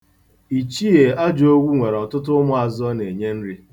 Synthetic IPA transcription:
i˨t͡ʃi˦e˨a˦d͡ʒo˦ɡʷu˦ŋʷe˨ɾɔ˨tʊ˦tʊ˦ʊ˦mʊ˦a˨zɔ˦ne˨ɲe˦n̩˦ɾi˦

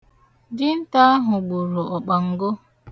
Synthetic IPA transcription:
dɪ˦n̩˦ta˦a˦ɦʊ˨ɡ͡bu˨ɾo˨ɔ˨k͡pa˨ŋ̩˨ɡo˦

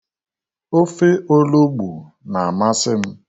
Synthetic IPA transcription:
o˦fe˦ʔo˦lo˦ɡ͡bu˨ | na˨a˨ma˦sɪ˦m̩˦

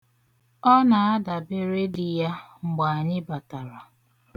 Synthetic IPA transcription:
ɔ˦na˨a˦da˨bɪ˦ɾe˦di˨ja˦ŋ͡m̩˨ɡ͡ba˨a˨ɲɪ˦ba˨ta˨ɾa˨

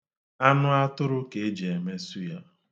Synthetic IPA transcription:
a˦nʊ˦a˦tʊ˦ɾʊ˦ke˨e˦d͡ʒe˨e˨me˦su˦ja˦

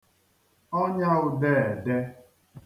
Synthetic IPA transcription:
ɔ˦ɲa˦ɣʊ˨de˦˨ɛ˨de˦

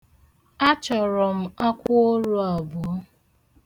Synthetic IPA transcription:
a˦t͡ʃɔ˨ɾɔ˨m̩˨a˦kʷʊ˦o˦ɾu˦a˨bʊ˨˦

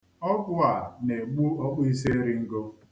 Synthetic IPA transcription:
ɔ˦ɡʊ˦a˨ne˨ɡ͡bu˦ɔ˦k͡pi˦s̬e˦ɾɪ˦ŋ̩˦ɡo˦

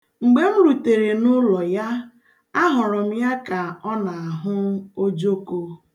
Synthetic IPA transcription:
ŋ͡m̩˨ɡ͡be˦m̩˦ɾu˨te˨ɾe˨nʊ˦lɔ˨ja˦ | a˦ɦʊ˨ɾʊ˨m̩˦ja˦ka˨ɔ˦na˨a˨ɦʊ˦o˦d͡ʒo˦ko˦

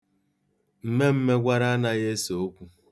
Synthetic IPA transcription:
m̩˨me˦m̩˦me˦ɡʷa˦ɾa˦a˦na˦je˦so˨o˦kʷu˦

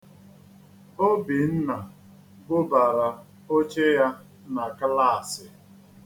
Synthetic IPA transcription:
o˦bi˨n̩˦na˨ | ɡʊ˦ba˨ɾa˨ | o˦t͡ʃe˦ja˦ | na˨ka˦la˦˨sɪ˨

